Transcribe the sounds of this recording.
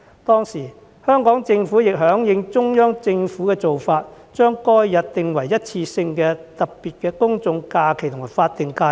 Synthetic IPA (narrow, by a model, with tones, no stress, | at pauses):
t̪ɔː˥ŋsiː˨˩ | hœː˥ŋkɔː˨˥ŋt͡sɪ˧ŋfuː˨˥jɪ˨k̚ɦœː˨˥ŋjɪ˨˧ŋt͡ʃʊ˥ŋjœː˥ŋt͡sɪ˧ŋfuː˨˥kɛː˧t͡so˨wfaː˧t̚ | t͡ʃœː˥ŋkɔː˥jːɐ˨t̚t̪ɪ˨ŋwɐ˨˩jjɐ˥t̚t͡sʰiː˧sɪ˧ŋkɛː˧t̪ɐ˨k̚piː˨˩t̚kɛː˧kʊ˥ŋt͡sʊ˧ŋkaː˧kʰe˨˩jt̪ʊ˨˩ŋma˨˩faː˧t̚t̪ɪ˨ŋkaː˧